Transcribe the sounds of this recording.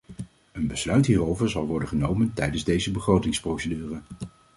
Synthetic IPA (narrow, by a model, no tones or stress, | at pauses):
ənbəslœɥtɦiːrowvəɹzɑlˠʋɔɹdəχənowməntɛjdənzdejzəbəχrowtɪŋsprowsədyːrə